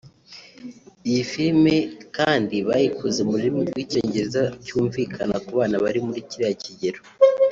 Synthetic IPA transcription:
ijifiɾme̞kaːndiβajikʰuzemuɾiimubɡwiːce̞ːɲɟe̞ɾezacuːɱviːkʰanakuβaːnaβaɾimuɾiciɾejaciɟe̞ɾo

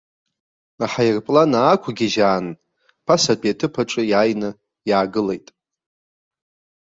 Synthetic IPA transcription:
aħajɪrpʼlanaːkʷʰaɡʲiʒaːn | pʰasat͡pʷʼatʰɨpʰaʈ͡ʂʷʼɨjaːjnɨ | jaːɡɨlejtʼ

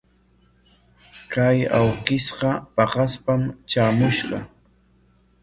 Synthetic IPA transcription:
kajawqɪsqɑpɑqɑspamt͡ʃaːmʊʃɢɑ

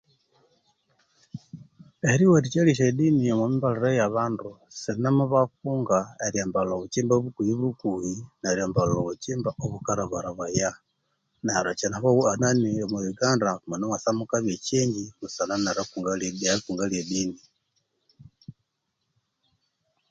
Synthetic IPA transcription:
eɾiwetit͡ʃeliʃedinijomwomimbalaɾojaβaːndusinamuβakuːŋɡaeɾjambaloβut͡ʃiːmbaβukujiβukujinaɾjambalout͡ʃiːmbaʔoβukaɾaβaɾaβwaja | naɾat͡ʃenaβouananiomuβiɡaːndamunomasamukaβjet͡ʃiːɲɟimusananaɾakuŋɡalealikuːŋɡaliedini

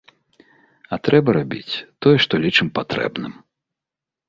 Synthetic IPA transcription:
ɐt̪ɾɛbɐɾabʲḭt͡sʲt̪ɔjɛʂt̪ɔlʲit͡ʂɨmpat̪ɾɛ̰bnɨ̰m

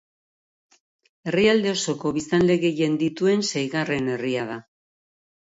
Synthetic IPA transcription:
e̞riald̪e̞o̞so̞ko̞βist̪anle̞ɣe̞ʝe̞nd̪it̪ue̞nsajɣare̞ne̞riað̞a

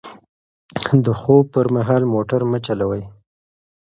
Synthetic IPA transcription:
d̪əxopəɾmaɦɑlmoʈaɾmət͡ʃalawəj

